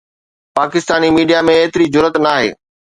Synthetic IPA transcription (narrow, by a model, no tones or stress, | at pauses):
paːkɪst̪aːnimiːɖijamẽeːt̪ɪɾid͡ʑʊɾət̪naːɦḛː